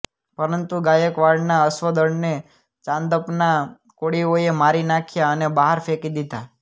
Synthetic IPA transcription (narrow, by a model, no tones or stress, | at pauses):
pəɾənt̪uɡajəkʋaɭnaəsʋəd̪əɳne | t͡ʃãnd̪əpna | koɽioemaɾinakʰjaənebaɦaɾfekid̪it̪a